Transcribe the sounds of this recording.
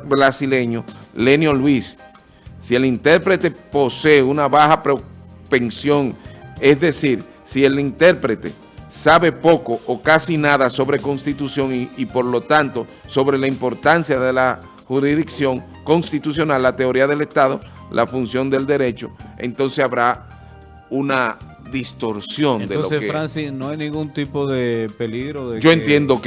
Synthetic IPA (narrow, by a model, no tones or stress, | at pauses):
bɾasile̞ɲo̞le̞njolwisː | ie̞lint̪e̞ɾpɾe̞t̪e̞po̞seunaβaxapɾo̞pe̞nsjo̞ŋe̞sðe̞siɾ | sie̞lint̪e̞ɾpɾe̞t̪e̞̰ | saβe̞po̞ko̞ʔokasinaðaso̞βɾe̞konst̪it̪usjo̞ŋiipo̞ɾlo̞t̪ant̪o̞ | so̞βɾe̞laimpo̞ɾt̪ansjaðe̞la | huɾiðiksjo̞ŋ | ko̞nst̪it̪usjo̞nalːat̪e̞o̞ɾiaðe̞le̞st̪aðo̞̰ | lʔa̰funsjo̞nd̪e̞ld̪e̞ɾe̞t͡ʃo̞̰e̞̰nt̪o̞nsesaβɾa | una | ðist̪o̞ɾsjo̞nd̪eolosesfɾansinoajnĩŋɡunt̪ipoðepeliɣɾoðed͡ʒoenje̞nd̪o